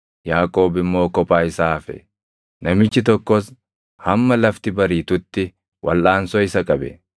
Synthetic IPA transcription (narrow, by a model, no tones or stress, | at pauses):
jaːkʼo̞ːbɪmːo̞ːkɔpʼaːɪsaːfɛ̰ | nɐmɪt͡ʃːɪt̪ɔkːɔs | hɐmːɐlɐft̪ɪbɐɾiːt̪ʊt̪ːɪ | wʔɐ̰lʔaːnsɔɪsɐkʼɐbɛ̰